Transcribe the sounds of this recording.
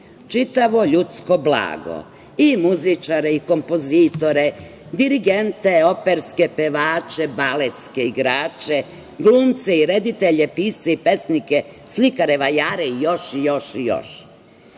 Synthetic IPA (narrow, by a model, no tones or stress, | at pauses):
t͡ʃit̪aʋo̞ʎut̪sko̞bla̰ːɡo̰ | imuzit͡ʃaɾeiko̞mpozit̪o̞ɾe̞ | d̪iɾiɡent̪e̞o̞peɾske̞peʋaːt͡ʃebalet̪skeiɡɾaːt͡ʃe | ɡluːmt̪seiɾed̪it̪eʎepiːst̪seipe̞snike | slikaɾe̞ʋajaːɾeijo̞ʃijo̞ʃijo̰ʃ